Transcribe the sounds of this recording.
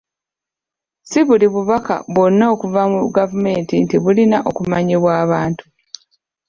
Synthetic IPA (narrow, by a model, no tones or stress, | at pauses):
siβuliβuβaka̰βo̞nːao̞kuvamuɡavume̞ːntintiβulinaʔokumaɲeβwaːβaːntu̥